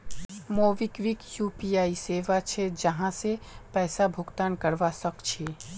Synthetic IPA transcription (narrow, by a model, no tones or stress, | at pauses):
moːʋɪkʋɪkjuːpiːaːiseːʋat͡ʃʰed͡ʒɐɦãsepɛːsabʱʊɡt̪aːnkəɾʋasɐkt͡ʃʰeː